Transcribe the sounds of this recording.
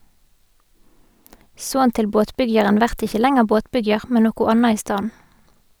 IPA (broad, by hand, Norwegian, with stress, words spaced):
ˈsoːn ˈtɪl ˈboːtˌpʏɡjɑʁən ˈʋæʁt ˈɪçə ˈlɛŋəʁ ˈboːtˌpʏɡjɑʁ ˈmɛn ˈnoːkʊ ˈɑnɑ ˈiː ˈstɑːn̩